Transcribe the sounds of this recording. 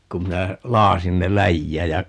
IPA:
kum minæ lɑːsin ne læjːæːj jɑ

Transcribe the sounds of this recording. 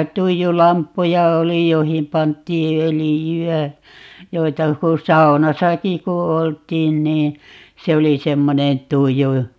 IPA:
tuijulɑmpːujɑ oli joĭhim pɑntˑiː ølijyæ joitɑ ku sɑunɑsɑki ku oltˑiːn niː se oli semːonen tuju

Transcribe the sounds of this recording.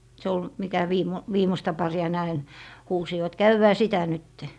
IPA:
se ol mikæ ʋiːmo ʋiːmostɑ pɑriɑ ne ɑin huːsiʋɑt kæywːæː sitæ nytːe

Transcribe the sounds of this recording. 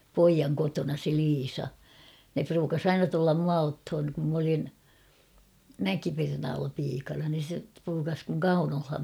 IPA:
poijɑŋ kotonɑ se liːsɑ ne pruːkɑs ɑinɑ tulːɑm muɑ othon kum m olin mækipernɑːlːɑ piːkɑnɑ nin̞ se pruːkɑs kuŋ kɑunolhɑm

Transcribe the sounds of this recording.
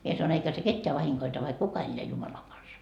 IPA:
mie sɑnoin eikæ se ketːeæ ʋɑhiŋkoitɑ ʋɑik kukɑ elːeæ jumɑlɑŋ ɡ̊ɑnsɑ

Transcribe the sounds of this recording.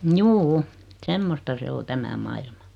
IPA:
mjuːu semːostɑ se o tæmæ mɑilmɑ

